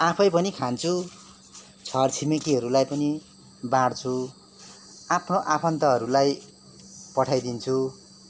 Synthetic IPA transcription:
apʰʌjpʌnikʰant͡sʰu | t͡sʰʌrt͡sʰimekiɦʌɾulajpʌni | baɽt͡sʰu | apʰnoʔapʰʌnt̪ʌɦʌɾulaj | pʌʈʰajd̪int͡sʰu

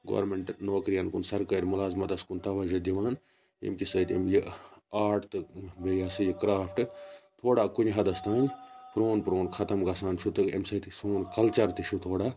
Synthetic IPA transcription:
ɡo̰ːɾmeɳʈnoːkɾijɐnkunsɐɾkɐɾʲmulaːzmɐt̪ɐskunt̪ɐʋɐd͡ʒɐd̪iʋaːn | ḛmkisɐt̪ḛmjiaːʈt̪ɨbejaːsɨjikɾaːpʰʈɨt̪ʰoːɽakunʲɦɐd̪ɐst̪ʰaːnʲpɾoːnpɾoːnkʰɐt̪ɐmɡɐsaːnt͡ʃʰut̪ɨḛmsɐt̪isoːnkɐlt͡ʃɐɾt̪ɨt͡ʃʰut̪ʰoːɽaː

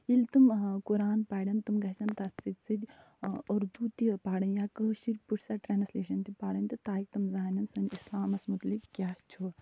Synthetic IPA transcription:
ilt̪ɨmkuɾaːnpaːɽʲɐnt̪ɨmɡɐt͡ʃɐnt̪asɨt̪ʲsɨd̪ʲ | oɾd̪ut̪ipaːɽɐnjakəʃiɾpuʈʰʲsaʈɾaːnsleːʃɐnt̪ipaːɽɐnʲt̪it̪aːjik̚t̪ɐmzaːnɐnsɐnʲisaːmɐsmut̪likkʲjaːst͡ʃʰu

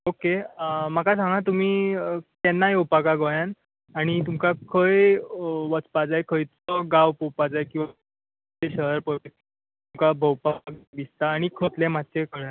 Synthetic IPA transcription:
okemakasãŋɡãt̪um̤iːkɛnːajowpakaɡojan | aɽ̃it̪umkakʰəjʋət͡spad͡zajkʰəjt̪ɔɡaʋpəwpad͡zajkĩw̃ʋa | eɕəɦəɾpəʋe | t̪umkabʱəwpaɡd̪ist̪aːɽ̃ikʰət̪lẽmat̪ːt͡ɕekəɭja

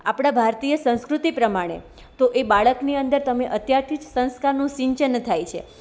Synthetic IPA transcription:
apɽ̃abʱaɾt̪ijəsə̃w̃skɾut̪ipɾəmaɽ̃ḛ | t̪oʔebaɭəkniənd̪əɾt̪əmeʔət̪jaɾt̪ʰid͡ʒsə̃ñskaɾnũsɪ̃ɲt͡ʃənt̪ʰajt͡ʃʰḛ

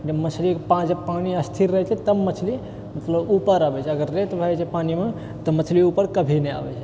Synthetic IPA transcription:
d͡ʒemət͡ʃʰlikpãd͡ʒepaniəst̪ʰiɾɾəɦɛt͡ʃʰɛt̪əbmət͡ʃʰli | mət̪ləbupəɾabɛt͡ʃʰɛəɡəɾːet̪bʱəɛt͡ʃʰɛpanime | t̪əmət͡ʃʰliupəɾkəbʱinɛa̰bɛ̰t͡ʃʰɛ̥

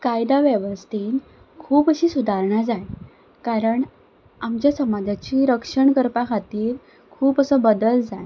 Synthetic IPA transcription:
kajd̪aʋjeʋəst̪ʰiːn | kʰuːpəɕiːsud̪ʱaɾɳad͡zaj | kaɾəɳ | amt͡ɕjasəmad͡zat͡ɕiːɾəkʂəɳkəɾpakʰat̪iːɾ | kʰuːpəsəbəd̪əld͡zaj

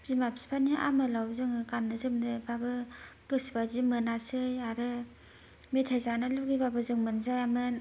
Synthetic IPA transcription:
zimapsi̥pʰaniʔa̰mɯlawzɯŋɯkanːɯzɯmdɯbabɯɡɯsbazimɯnasɯjaɾɯ | mitʰajzanɯluɡibabɯzɯŋmɯnzajamɯn

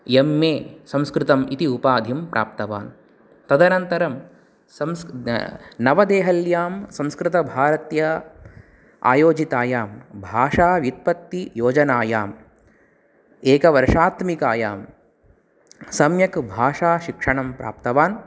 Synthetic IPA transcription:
jemːeːsɐ̃mskɾɪt̪ɐmit̪iupaːd̪ʱimpɾʔa̰ːp̚t̪ɐʋa̰ːn | t̪ɐd̪ɐnɐnt̪ɐɾɐm | sɐms | nɐʋɐd̪eːɦɐljaːmsɐ̃mskɾɪt̪ɐbʱaːɾɐt̪jɐ | a̰ːjoːd͡ʒit̪aːjaːmbʱaːʂaːʋjit̪̚pɐt̪ːijoːd͡ʒɐnaːjaːm | eːkɐʋɐɾʂaːt̪mikaːjaːm | sɐmjɐkbʱaːʂaːʃikʂɐɳɐmpɾʔa̰ːpt̪ɐʋaːn

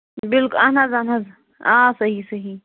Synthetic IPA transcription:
bɪlkʊlɐnazanaz | ãːsɐɦisɐɦi

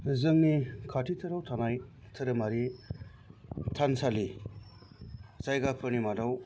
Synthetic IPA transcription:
zɯŋnikʰatʰitʰɯɾawtʰanaj | tʰɯɾɯmaɾi | tʰansali | zajɡapʰɯɾnimadaw

